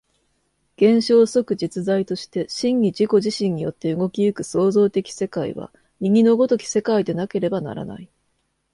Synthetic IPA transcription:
ɡ̥ẽ̞ɰ̃ɕo̞ːso̞kɯ̟d͡ʑit͡sɨzait̪o̞ɕi̥t̪e̞ɕĩŋːʲid͡ʑiko̞ʑiɕĩɲ̟ːijo̞t̪ːe̞ɯ̟ɡo̞kʲijɯ̟kɯ̟so̞ːzo̞ːt̪e̞kʲi̥se̞kaḭβa̰ | ɲ̟iɡʲinoɡo̞t̪o̞kʲi̥se̞kaid̪e̞nake̞ɾe̞bana̰ɾa̰na̰i

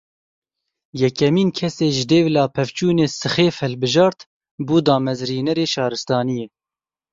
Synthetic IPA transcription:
jɛkɛmiːnkʰɛseːʒɪd̪eːvlɑːpʰɛvt͡ʃuːneːsɨxeːfhɛlbɨʒɑːɾt̪ | buːd̪ɑːmɛzɾiːnɛɾeːʃɑːɾɨst̪ɑːnijeː

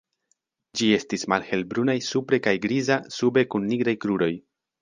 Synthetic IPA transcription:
d͡ʒie̞stismalhe̞lbɾunajsupɾe̞kajɡɾizasube̞kunːiɡɾajkɾuɾo̞j

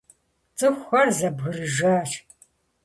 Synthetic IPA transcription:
t͡sʼɨxʷɐrzɐbɣɨrɨʒaːt͡ʃ

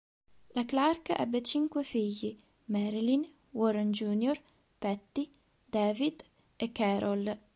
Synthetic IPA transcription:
laklarkaʔɛ̰bːet͡ʃiŋkwefiʎːi | mɛɾilin | wɔɾand͡ʒunjor | pɛt̪ːi | d̪ɛːvid̪ | ekːɛɾʔol

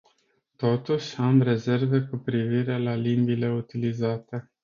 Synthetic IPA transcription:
t̪o̞t̪uʃʲamɾe̞ze̞rve̞kupɾiviɾe̞lalimbile̞ut̪ilizat̪e̞

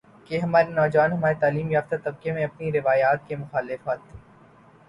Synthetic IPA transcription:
keɦɐmaːɾenɔːd͡ʒʋaːnɦɐmaːɾet̪aːliːmjaːft̪at̪ɐb̚kemẽɐpniɾɪʋaːjaːt̪̚kemʊxaːlɪfat̪ʰː

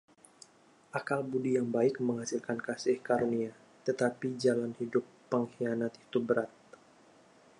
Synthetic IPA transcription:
ʔakalbudijaŋbaɪk̚məŋɦhasɪlkankasɪhkaɾnia | t̪ət̪apid͡ʒalanhidʊpːəŋhianat̪i̥t̪ubəɾat̪̚

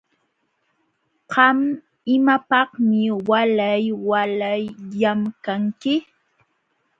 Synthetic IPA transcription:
qɑm | ɪmapɑhmɪwalajwalajʎamkaŋkɪ

